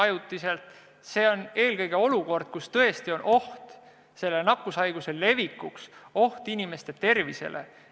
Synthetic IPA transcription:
ɑjut̪ːˑise̞lt̪ | se̞ːo̞ne̞ːlkɤjɡ̥e̞o̞luko̞rd̪̥̚kust̪ɤe̞st̪io̞nʔo̞ht̪ | se̞lːenɑkːˑusɑjɡ̥use̞le̞vikːˑukso̞ht̪inʲime̞st̪et̪e̞rvisḛlʔḛ

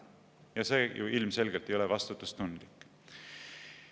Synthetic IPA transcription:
jɑse̞ːjṵilmse̞lɡ̥elt̪ejo̞levɑst̪ut̪ːˑust̪und̪̥likːˑ

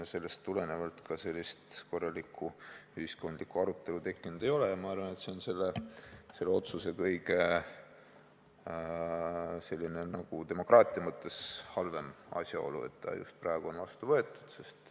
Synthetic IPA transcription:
se̞lːe̞st̪ːule̞ne̞vɑlt̪kɑse̞lʲːist̪ko̞rːɑlikʰːˑuyhisko̞nd̪likːˑuɑɾut̪ːˑe̞lut̪e̞kːˑinud̪̥e̞jo̞lejɑmɑɑrvɑne̞t̪se̞o̞nse̞lːese̞lːeo̞t̪suse̞kɤjɡ̥e | se̞lʲːine̞nɑɡ̥ut̪e̞mo̞krɑːt̪ʲˑiɑmɤt̪ːˑe̞shɑlve̞mɑ̰sʲjɑo̞̰lṵe̞̰t̪ːɑ̰jṵst̪̚prɑeɡ̥uo̞nvɑst̪uvɤet̪ːˑu̥d̪̥se̞st̪

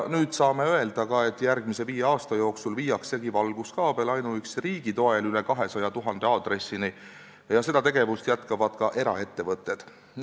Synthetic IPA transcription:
nyːd̪̥sɑːme̞øe̞ld̪̥ɑkɑe̞t̪ːˑjærɡmise̞viːjeɑːst̪ɑjo̞ːksulviːjɑksːe̞ɡ̥ivɑlɡ̥uskɑːb̥e̞lɑjnuyksriːɡ̥it̪o̞elylekɑɦe̞sɑjɑt̪uɦɑnd̪̥e̞ɑːd̪̥re̞sːini | jɑse̞d̪̥ɑt̪e̞ɡ̥e̞vust̪jæt̪kɑvɑd̪̥kɑʔe̞ɾɑ̰e̞t̪ːe̞vɤt̪ːe̞d̪̥

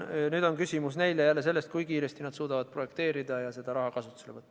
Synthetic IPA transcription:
nyːd̪̥o̞nkysʲimusne̞jlejælːe̞se̞lːest̪kujkiːɾe̞st̪inɑd̪suːd̪ɑvɑd̪̥̚pro̞je̞kt̪e̞ːɾid̪̥ɑjɑse̞d̪ɑɾɑɦɑkɑsut̪ːselevɤt̪ː

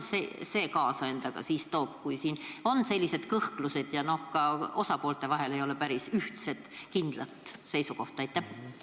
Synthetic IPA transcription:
sese̞ːkɑːsɑe̞nd̪ɑɡ̥ɑ̰siːst̪o̞ːb̥̚kujsiːno̞nːse̞lʲːise̞d̪̥kɤhkluse̞d̪̥jɑno̞hkɑo̞sɑpo̞ːlt̪ˑe̞vɑɦe̞le̞jo̞le̞pæɾisyht̪se̞t̪ˑkind̪̥lɑt̪ːˑse̞jsuko̞ht̪ɑejt̪ːˑæh

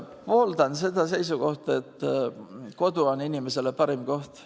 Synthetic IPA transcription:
po̞ːld̪ɑnse̞d̪̥ɑse̞jsuɡ̥o̞ht̪ɑe̞t̪ː | ko̞d̪uo̞ninimese̞lepɑɾimko̞ht̪

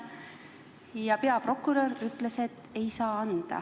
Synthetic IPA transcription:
jɑpeɑpro̞kːˑuɾɑɾyt̪ˑle̞se̞t̪ːe̞jsɑːɑnd̪̥ɑ̰

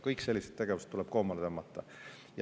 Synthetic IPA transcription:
kɤjkse̞lʲːiset̪̚t̪e̞ɡ̥e̞vuse̥t̪ːulɛb̥̚ko̞ːmɑlet̪emɑt̪ːˑɑ | j

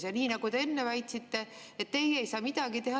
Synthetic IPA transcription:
sjɑniːnɑɡ̥ut̪e̞e̞nːevæjt̪ʲsit̪ːe̞et̪ːe̞jejsɑːmid̪̥ɑɡit̪e̞ɦɑ

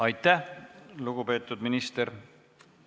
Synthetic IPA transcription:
ɑjt̪ˑːæhluɡ̥upe̞ːt̪ːˑud̪minist̪eɾ

